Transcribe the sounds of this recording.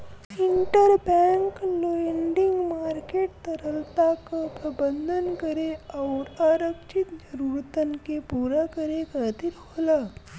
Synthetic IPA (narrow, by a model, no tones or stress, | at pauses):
iɳʈəɾbɛŋkloɳɖiŋɡmaːɾkeʈ̚t̪əɾəlt̪akapɾəbənd̪ʱənkəɾeɔːɾaːɾəkʃit̪d͡ʒəɾuːɾt̪ənkepuːɾakəɾekat̪iɾɦola